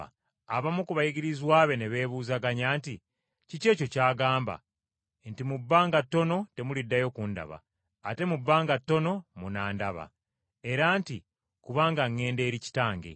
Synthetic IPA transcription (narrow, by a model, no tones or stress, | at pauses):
aβamukuβajiɡiɾizwaːβe̞neβe̞ːβuːzaɡaɲaːnti | cice̞ːco̞caːɡaːmba̰ | ntimubːaːŋɡatːo̞no̞te̞mulidːajo̞kunda̰βa̰ː | te̞mubːaːŋɡatːo̞no̞munaːndaβa̰ | e̞ɾanti | kuβaːŋɡaŋːe̞ːnde̞ːɾici̥taːŋɡe̞̰